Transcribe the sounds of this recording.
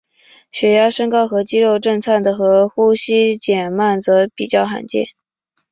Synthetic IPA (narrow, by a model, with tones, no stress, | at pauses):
ɕɥɛ˧˥ja˥ʂə˥ŋkɑ˥ʊxɤ˧˥t͡ɕi˥ɻo˥˧ʊʈ͡ʂɤ˥˧ŋt͡sʰa˥˩nd̪ə˩xɤ˧˥xu˥ɕi˥t͡ɕjɛ˨˩nma˥˩nt͡sɤ˧˥pi˨˩t͡ɕjɑ˥˩ʊxa̰˧˥nt͡ɕjɛ̰˥˩n